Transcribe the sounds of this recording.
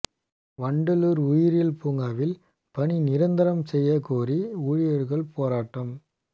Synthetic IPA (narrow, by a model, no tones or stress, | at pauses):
ʋɐɳɖɯluɾʊjɪɾɪlpuːŋɡaːʋɪl | pɐɳinɪɾɐnd̪ɐɾɐmsɛjːɐkuːriuːɻɪjɐɾɣɐɭpoːɾaːʈːɐm